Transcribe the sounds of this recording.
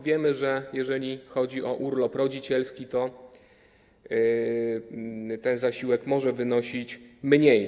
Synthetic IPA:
vʲjɛmɘʐɛjɛʐɛlʲixɔd͡ʑiʔɔʔuɾlɔpɾɔd͡ʑit͡ɕɛlskʲit̪ɔ | t̪ɛnzaɕiwɛkmɔʐɛvɘnɔɕit͡ɕmɲej

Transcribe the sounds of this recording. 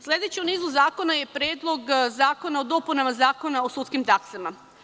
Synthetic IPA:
slʲe̞d̪et͡ɕeuniːzuzaːko̞naje̞pɾeːd̪lˠo̞ɡzaːko̞naod̪o̞punamazaːko̞naosuːt̪skimt̪aksama

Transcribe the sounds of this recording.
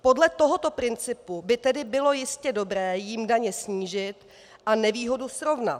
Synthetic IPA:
po̞dlɛt̪o̞ɦot̪o̞pɾɪnt͡sɪpubɪt̪ɛdɪbɪlo̞jɪscɛdo̞bɾɛːjɪmdaɲɛsɲiːʒɪt̪ | ʔanɛviːɦo̞dusɾo̞vna̰t

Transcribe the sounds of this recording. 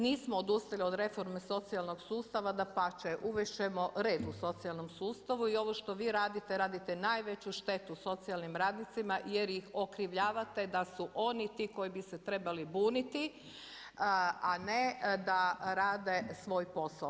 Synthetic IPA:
niːsmoːd̪ust̪alio̞d̪ɾe̞fo̞ɾmeso̞t̪sialˠno̞ɡsuːst̪aʋad̪apat͡ʃeʔuʋeʃemo̞ɾe̞ːd̪uso̞t̪sialnomsuːst̪aʋuio̞ʋoʃt̪o̞ʋiːɾaːd̪it̪e̞ɾaːd̪it̪enaːjʋe̞t͡ɕuʃt̪e̞t̪uso̞t̪sialnimɾaːd̪nit̪simaje̞ɾjixo̞kɾiʋʎaːʋat̪e̞d̪asuʔo̞nit̪iːko̞jibiset̪ɾe̞balibuːnit̪i | aned̪aɾaːd̪e̞sʋo̞ːjpo̞sao

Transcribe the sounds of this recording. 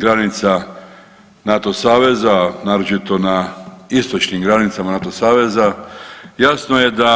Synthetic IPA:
ɡɾanit̪sa | nat̪o̞saːʋe̞zanaːɾot͡ʃit̪o̞naist̪o̞t͡ʃnimɡɾanit̪samanat̪osaːʋe̞zajasnojed̪a

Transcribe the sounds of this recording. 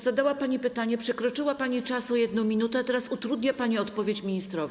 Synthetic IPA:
zad̪awapaɲipɘt̪aɲɛpʂɛkɾɔt͡ʂɘwapaɲit͡ʂasɔjɛd̪nɔ̃w̃mʲinut̪ɛt̪ɛɾasut̪ɾud̪ɲapaɲiɔt̪pɔvʲjet͡ɕmʲiɲist̪ɾɔv

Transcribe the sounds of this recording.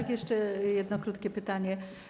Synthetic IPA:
akjɛʂt͡ʂɛjɛd̪nɔkɾut̪kʲɛpɘt̪aɲɛ

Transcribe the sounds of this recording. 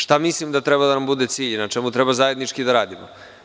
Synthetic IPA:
ʃt̪amislimd̪at̪ɾebad̪anambud̪et̪siːʎnat͡ʃemut̪ɾebazaje̞d̪nit͡ʃkid̪aɾaːd̪imo

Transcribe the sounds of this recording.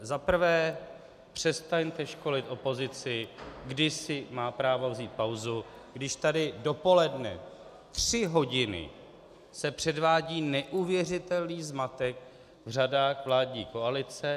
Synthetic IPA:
zapr̩vɛː | pr̝̥ɛst̪aɲt̪ɛʃko̞lɪt̪ʔo̞po̞zɪt͡sɪɡdɪsɪmaːpɾaːvovziːt̪̚pawzuɡdɪʃt̪adɪdo̞po̞lɛdnɛ̰ | t̪r̥ɪɦo̞ɟɪnɪ̰ | sɛpr̥ɛdvaːɟiːnɛʔuvjɛr̝ɪt̪ɛlniːzmat̪ɛk | vr̝adaːxvlaːdɲiːko̞alɪt͡sɛ

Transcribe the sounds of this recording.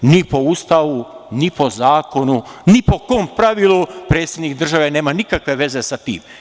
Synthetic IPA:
nipo̞ust̪aʋunipo̞zaːko̞nunipo̞koːmpɾaʋilupɾet̪sjed̪nikd̪r̩ʒaʋe̞ne̞ːmanikakʋe̞ʋe̞ze̞sat̪ḭːm

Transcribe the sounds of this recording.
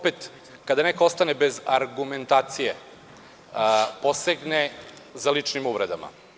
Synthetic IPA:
opet̪ | kad̪anekoost̪anebe̞zaɾɡument̪aːt̪sije | po̞seɡnezalit͡ʂnimuʋɾed̪ama̰

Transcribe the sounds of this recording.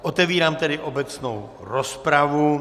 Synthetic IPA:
ʔot̪ɛviːɾaːmt̪ɛdɪʔo̞bɛt͡snow | ɾospɾavu

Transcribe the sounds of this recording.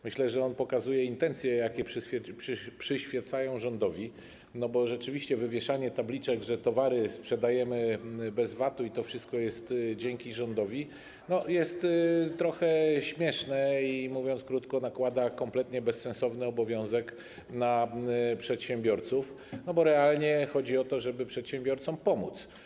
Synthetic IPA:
mɘɕlɛʐɛɔnpɔkazujɛint̪ɛnt̪sʲjɛjakʲɛpʂɘfʲɛʂpʂɘɕfʲjɛt̪sajɔ̃w̃ʐɔnd̪ɔvʲi | nɔbɔʐɛt͡ʂɘvʲiɕt͡ɕɛvɘvʲjɛʂaɲɛt̪ablʲit͡ʂɛɡʐɛt̪ɔvaɾɘspʂɛd̪ajɛmɘbɛzvat̪uit̪ɔfʂɘst̪̚kɔjɛst̪d͡ʑɛŋkʲiʐɔnd̪ɔvʲi | nɔjɛst̪t̪ːɾɔxɛɕmʲjɛʂnɛimuvʲjɔnt̪skɾut̪kɔnakwad̪akɔmplɛt̪ɲɛbɛsːɛ̃nsɔvnɘɔbɔvʲjɔ̃w̃zɛk | napʂɛt̪ɕɛmbʲjɔɾt̪suf | nɔbɔɾɛalɲɛxɔd͡ʑiɔt̪ɔʐɛbɘpʂɛt̪ɕɛmbʲjɔɾt̪sɔmpɔmut̪s

